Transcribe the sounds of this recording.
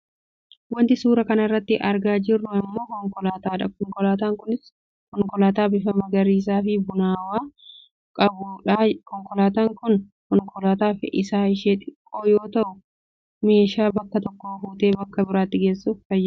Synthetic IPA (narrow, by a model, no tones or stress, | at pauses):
wɐnt̪ɪsuːɾɐkɐnɐrːɐt̪ːɪʔɐɾɡaːd͡ʒɪrːʊɐmːo̞ːkɔŋkɔlaːt̪aːᶑɐkɔŋkɔlaːt̪aːŋkʊnɪs | kɔŋkɔlaːt̪aːbɪfɐmɐɡɐɾiːs̬aːfɪbʊnaːwaː | kʼɐbʊᶑaːkɔŋkɔlaːt̪aːŋkʊn | kɔnkɔlaːt̪aːfɪʔɪsaːɪʃeːᶑ̪ɪkʼːoːjoːt̪ɐʔʊ | me̞ːʃaːbɐkːɐt̪ɔkːoːfuːt̪e̞ːbɐkːɐbɪɾaːt̪ːɪɡe̞ːsːuffɐjːɐ